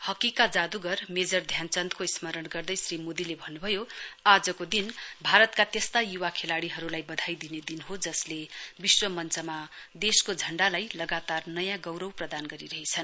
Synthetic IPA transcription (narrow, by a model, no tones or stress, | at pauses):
hʌkikad͡zad̪uɡʌrmed͡zʌrd̪ʱjant͡sʌnt̪koismʌɾʌnɡʌrd̪ʌjsrimod̪ilebʱʌnːubʱʌjoad͡zʌkod̪inbʱaɾʌt̪kat̪est̪ajuwakʰelaɽiɦʌɾulajbʌd̪ʱajd̪ined̪inɦod͡zʌslebiswʌmʌnt͡sʌma | d̪eskod͡zʱʌɳɖalajlʌɡat̪arnʌjãɡʌwɾʌwprʌd̪anɡʌɾiɾʌɦet͡sʰʌn